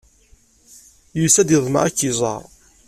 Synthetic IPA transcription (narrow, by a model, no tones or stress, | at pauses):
jusæd̪iðˤmə̰æ̰kːizˤɑ̰ɾˤ